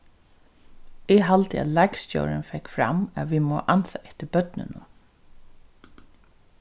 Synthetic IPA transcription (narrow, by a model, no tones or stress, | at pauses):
ɪɦalt̪əæ̰ðlakst͡ɕo̰ːɾɪnfɛkfɾa̰maʋimɔːʔansaɛht̪əbœt̪nɪ̰nʊ